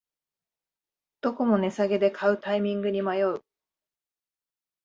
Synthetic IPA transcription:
d̪̥o̞ko̞mo̞ne̞saɡe̞d̪e̞kʰaɯ̟t̪aimʲĩŋɡɯ̟ɲ̟imajo̞ɯ̟

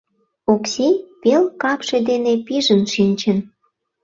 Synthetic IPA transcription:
oksipelkɑpʃed̪enepiʒənʃinʲt͡ɕə̆n

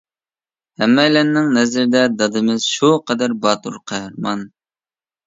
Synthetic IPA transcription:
hɛmːɛjlɛnːɪŋnɛzɪɾɪd̪ɛd̪ɑd̪ɨmɪz̥ʃuqʰɛd̪æɾbɑːt̪uɾqʰɑhɾmɑn

